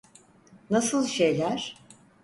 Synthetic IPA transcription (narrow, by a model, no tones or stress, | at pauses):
nasɯlˠʃe̞jlʲæɾ̥